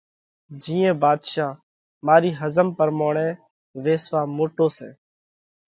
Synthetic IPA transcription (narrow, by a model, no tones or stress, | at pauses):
d͡ʒĩːẽːbaːd̪ʃaː | maːɾiːɦəzəmpəɾmoːɳɛ̃ː | ʋeːsʋaːmoːʈoːsɛ̰ː